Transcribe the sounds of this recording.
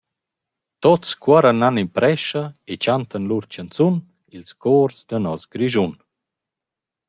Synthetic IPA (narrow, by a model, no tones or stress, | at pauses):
t̪ott͡skwaɾananimpɾɛʃaet͡ɕant̪anluɾt͡ɕant͡sun | ilskɔːɾzd̪ənɔsɡɾiʒun